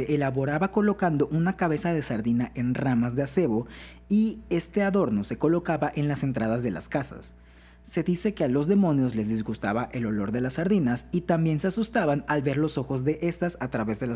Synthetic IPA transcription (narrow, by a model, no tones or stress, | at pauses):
eʔelaβo̞ɾaβako̞lo̞kand̪o̞ʔunakaβ̞e̞sað̞e̞saɾðinaʔe̞nramazðe̞ase̞βo̞ | ie̞st̪e̞aðo̞ɾno̞se̞ko̞lo̞kaβaʔe̞nlase̞nt̪ɾaðazðe̞la̰skasa̰sː | e̞ðise̞ke̞alo̞zðe̞mõ̞njo̞zle̞zðizɣust̪a̰βaʔe̞lo̞lo̞ɾðe̞lasːaɾðinasit̪ambje̞nseasust̪aβanalβe̞ɾlo̞so̞xo̞zðe̞ʔe̞st̪asat̪ɾaβe̞zðela